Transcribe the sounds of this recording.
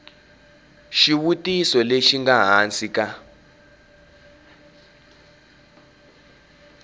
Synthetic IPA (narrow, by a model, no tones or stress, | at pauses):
ʃiwutʼisɔleʃiŋɡaɦant͡sʼik̬ʼa